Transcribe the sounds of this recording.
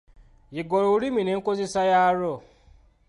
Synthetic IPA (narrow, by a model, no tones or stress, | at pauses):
jiɡɔɾoɾimĩneŋ̩kozisajaɾɔ